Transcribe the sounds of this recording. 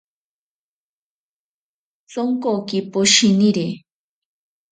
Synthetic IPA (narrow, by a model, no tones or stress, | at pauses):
t͡soŋkokipoʃiniɾe